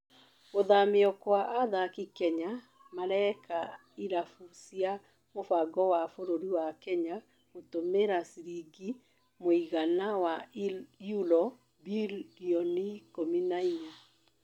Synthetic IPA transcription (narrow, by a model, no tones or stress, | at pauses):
ɣoðameɔkwaʔaðakikɛɲa | maɾɛka | iɾafusia | mofaɡɔwafoɾoɾiwakɛɲa | ɣotomeɾasiɾiɡi | moiɣanawajulɔ | biiɔnikominaiɲa